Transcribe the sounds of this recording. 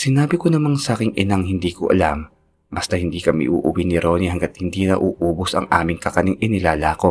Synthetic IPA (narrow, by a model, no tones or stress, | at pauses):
sɪnaːbɪkonɐmansakɪŋɪnaŋhɪnd̪iːkoʔɐ̰lam | bɐst̪ɐhɪnd̪iːkɐmḭʔṵːʔuwinɪɾoːnihɐŋɡɐt̪̚hɪnd̪iːnɐ̰ʔuːʔuːbosɐ̰ŋʔa̰ːmɪŋkɐkɐnɪŋʔɪnɪlaːlaːko̞